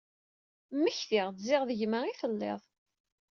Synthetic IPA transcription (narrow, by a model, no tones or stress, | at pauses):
mːəçθiʁzɪʁðəʝməʁiθəlːḛðˤ